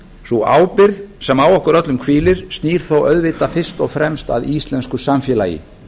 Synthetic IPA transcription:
θua̰ːwpɪɾðsɛmawɔhkʏɾœt̪lʏmkʰviːlɪɾ̥st̪niːɾ̥θowœðvɪt̪afɪr̥st̪ɔɣfɾɛmst̪a̰ðiːst̪lɛnskʏsamfjɛːlaːjɪ̰

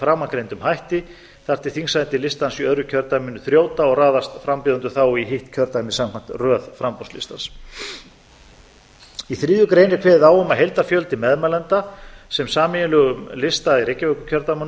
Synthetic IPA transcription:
fɾaːmakɾejnt̪ʏmhajht̪ɪ | θar̥t̪ɪ̥θiŋsajnt̪ɪlɪst̪ansiœðɾʏcʰœɾt̪amɪnːʏθɾjoːwt̪aɔɣraːðast̪fɾampɪðʏnt̪ʏθawiɦɪht̪cʰœɾt̪anːɪsamkʰan̥t̪rœːðfɾampɔ̥slḭst̪ans | iθɾiːðjʏkɾejnɪɾ̥kʰvɛːððaːwʏmaðɦejlt̪afjœlt̪ɪmɛðmalɛnt̪asɛmsaːmɪjɪlʏːɣʏmlɪst̪aiɾejcːɪvœkʏcʰœɾt̪aman

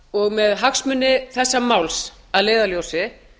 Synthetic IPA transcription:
ɔɣmɛðɦaksmʏnːɪθɛsːamawls | aðleːjðaljowsɪ

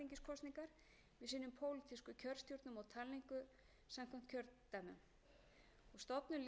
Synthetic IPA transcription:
iŋcɪskʰɔst̪niŋkaɾ̥ | vɪðsiːnʏmpʰoːwlɪt̪ʰiskʏcʰœɾ̥st̪jowɾt̪nʏmɔwt̪ʰalːiŋkʏ | samkʰam̥t̪cʰœɾt̪amʏ̰m | ɔɣst̪ɔpnʏl

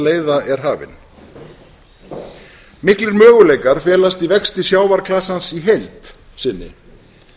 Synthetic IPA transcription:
leːjðaɛɾ̥ɦaːvɪ̰n | mɪhklɪɾmœːɣʏleːjkaɾ̥fjɛːlast̪ivɛkst̪ɪsjaːwvaɾkʰlasansiɦejlt̪ | sɪnːɪ̰

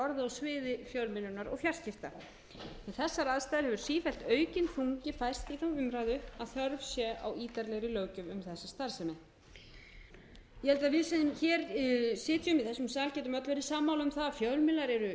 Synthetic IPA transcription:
ɔɾðɪɔɣsvɪːðɪfjœwlmɪlʏnaɾɔ̰ɣfjar̥scɪft̪a̰ɾ̥ | ɛnθɛsːaɾaðst̪aðɾhɛvʏɾ̥siːfɛlt̪œːɥcɪnfuŋcɪfajr̥st̪iθawʏmɾaːjðʏaðθœɾvsjɛʔa̰wiːt̪aɾlɛɣɾɪlœːɥcʏmʏmθɛsːast̪aɾ̥sɛmɪ | jɛhɛlt̪aðvɪsçɛɾsɪːt̪jʏmɪðθɛsːʏmsaːlcɛːt̪ʏmœt̪lvɛɾɪsaːmːawlʏmθafjœlmɪlaɾɛɾʏ

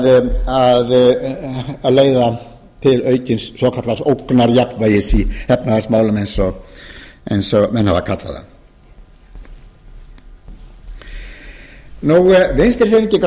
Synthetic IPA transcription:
að | leːjða | t̪ʰɪlœːɥcɪnsːvɔkʰat̪lasowknaɾjaknvaːjɪsihɛpnafasmaːwlʏmejnsɔ | ḛjnsɔmɛnha̰va̰kʰat̪la̰ða̰ | nuvenst̪ɪɾ̥sɛmɪcːɪkɾ

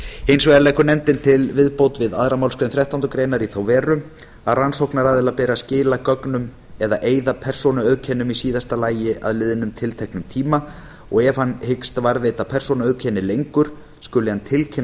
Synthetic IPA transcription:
ejnsveðalɛːhkʏnɛmt̪ɪnt̪ʰɪlvɪðpowt̪vɪða̰ðɾamawlskɾejnθɾɛht̪awnt̪ʏkɾeːjnaɾiθawvɛːɾʏ | aðransowknaɾaːðɪlapɛːɾascɪːlakœknʏm | ɛðaʔeːjðapʰɛr̥sonaœɥcʰɛːnʏmisiːðast̪alaːjɪʔa̰ðlɪðɪnʏmt̪ʰɪlt̪ʰɛhknʏmt̪ʰiːma | ɔɣɛv̥hanːhekst̪vaɾveːjt̪apʰɛr̥sonaœcʰɛːnːɪlejŋkʏɾ̥ | skʏlɪhant̪ʰɪlcʰɛn

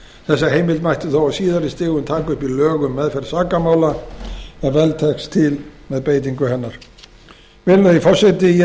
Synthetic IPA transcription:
θɛsːaɦeːjmɪlt̪majht̪ʏθowasiːðaɾɪst̪ɪːɣʏmt̪ʰaːkʏhpilœːɣʏmːɛðfɛɾsaːkamaːwla | ɛnvɛlt̪ʰɛkst̪ʰɪlmɛðpeːjt̪̬iŋkʏhɛnːaɾ̥ | vɪlʏðifɔr̥sɪt̪ɪ

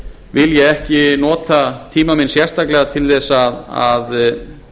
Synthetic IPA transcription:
vɪljɛɣɛhcɪnɔːt̪at̪ʰiːmamɪnsjɛr̥st̪aklɛɣat̪ʰɪlθɛsaða̰ð

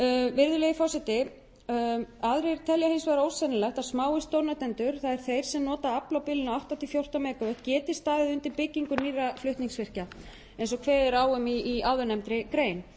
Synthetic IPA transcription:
vɪɾðʏlejɣɪfɔsɛt̪ɪ | aðɾeɾ̥t̪ʰɛljahejnsvɛðɾowsɛnɪlɛht̪asmaːwɪst̪owɾnat̪ɛnt̪ʏɾ̥θaðɛɾ̥θejɾ̥sɛmnɔːt̪aaplawpɪːlɪnaawht̪awt̪ʰifjowr̥t̪ameːkavɛht̪̚cɛːt̪ɪst̪aːðɪðʏnt̪ɪɾpɪcːiŋkʏnirːaflʏht̪niŋsfɪr̥ca | ẽjnsɔɣkʰvɛːðɪɾaːwʏmiːaðʏnɛmt̪ɾɪkɾeːjn

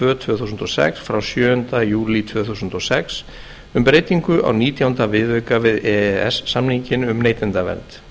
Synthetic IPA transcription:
vœːt̪ʰvʏːθusʏnt̪ɔsɛ̰ksfɾawsjœːʏnt̪ajuːlit̪ʰvœːθusʏnt̪ɔsɛks | ʏmpɾejt̪iŋkʏʔa̰wniːt̪jawnt̪avɪðœɥkavɪðɛɛ̰sːamnhiɲcɪnʏmneːjt̪ɛnt̪avɛ̰lt̪

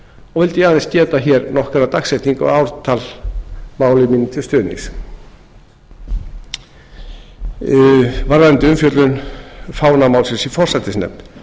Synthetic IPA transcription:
ɔɣvɛlt̪ɪjanɪnscɛːt̪açɛɾnɔhkaɾat̪axsɛht̪niŋkɔ̰ɣaːwɾt̪ʰalmaːwlɪminːɪt̪ʰɪlst̪œːnḭs | vaɾðant̪ɪʏmfjœt̪lʏnfaːwnamawlsɪnsifɔr̥sat̪ːɪsnɛ̰mn

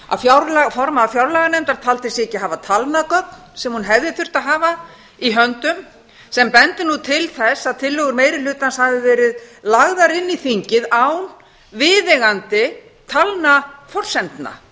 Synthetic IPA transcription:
a̰ðfjawɾlafɔɾmaːfjawɾlaɣanɛnt̪aɾ̥t̪ʰaːlt̪ɪsɛcːɪɦaːvat̪ʰalnakœk̚nsɛmhunɦɛvðɪθʏr̥t̪aɦaːva | iɦœnt̪ʏm | sɛmpɛnt̪ɪnut̪ʰɪlθɛsːaðt̪ʰɪlːɔɣʏɾmeːjɾɪlʏːt̪anshaðɪvɛːɾɪðlaɣðaɾɪnːiθiɲcɪðawn | vɪːðɛɣant̪ɪ | t̪ʰalnafɔr̥sɛnt̪na̰

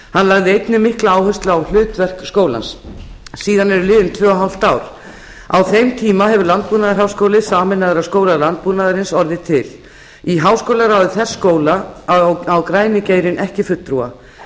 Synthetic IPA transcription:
hanlaɣðɪejt̪nʏmɪhklaaːwhœst̪laawl̥ʏːt̪vɛr̥kskoːwla̰nsː | iːðanɛɾʏlɪːðʏmt̪ʰvœːɔɦal̥t̪aːwɾ̥ | a̰wθejmt̪ʰiːmaɦɛvʏɾlant̪̚puːnaðaɾ̥hɦawskoːwlɪsaːmɪnːaɣɪɾaskoːwlalant̪̚punaðaɾɪnsɔɾðɪt̪ʰɪl | iɦaːwskowlaɾawðɪθɛsːkoːwla | awkɾaːjnɪceːjɾɪnʔɛhcɪfʏt̪ːɾua̰

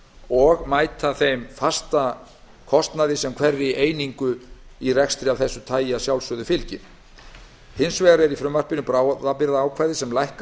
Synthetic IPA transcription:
ɔɣmaːjt̪aθejmfast̪a | kʰɔst̪naðɪsɛmkʰvɛrːɪʔeːjniŋkʏirɛkst̪ɾɪavθɛsːʏt̪ʰaːjasjawlsʏðʏfɪlcɪn | hɪnsvɛːɣaɾɛɾifɾʏmvar̥pɪnʏpɾaːwðapɪɾðaːwkʰvaːjðɪsɛmlajhk

